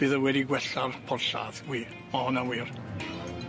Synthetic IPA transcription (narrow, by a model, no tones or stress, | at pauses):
b̥ɨːðəwɛdiɡwɛɬarpʰɔrɬa̰ðwiː | mahɔnawiːr